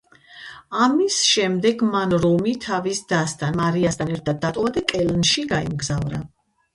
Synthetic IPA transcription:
amisʃɛmd̪ɛɡmanɾɔmit̪ʰavisd̪ast̪ʰʼanmaɾiasd̪ʰanɛɾt̪ʰad̪̚ːat̪ʼɔvad̪akʼɛlnʃiɡaḭmɡzavɾa

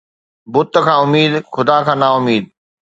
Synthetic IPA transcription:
bʊt̪ə̆kʰãːʊmiːd̪xʊd̪aːkʰãːnaʊmiːd̪̚

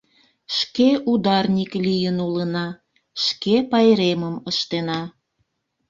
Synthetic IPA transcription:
ʃkeʔud̪ɑrnʲiklijənulənɑ | ʃkepɑjɾeməməʃt̪enɑ

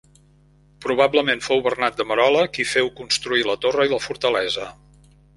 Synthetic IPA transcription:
pɾuβ̞abləmenfowβərnat̪̚d̪əməɾɔləkifɛwkunst̪ɾuilət̪orəiləfuɾt̪əlɛzə

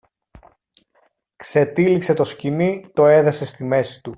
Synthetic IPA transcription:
kse̞t̪ilikse̞t̪o̞scinit̪o̞e̞ðese̞st̪ime̞si̥t̪u

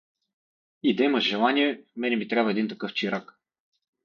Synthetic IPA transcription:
id̪ɐimɐʃʒɛlˠaniɛmɛnɛmit̪ɾʲabvəɛd̪int̪ɐkɤft͡ʃiɾak

